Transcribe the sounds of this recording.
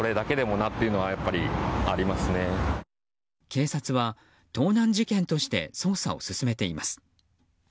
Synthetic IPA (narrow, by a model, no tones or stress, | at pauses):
oɾe̞d̪ake̞d̪e̞mo̞nat̪ːe̞iɯ̟no̞βajapːaɾʲiaɾʲimasɨne̞ | kʰe̞ːsat͡sɨβa | t̪o̞ːnãɲ̟d͡ʑikẽ̞nt̪o̞ɕi̥t̪e̞̰so̞ːsa̰o̰sɨsɨme̞t̪e̞imasɨ̥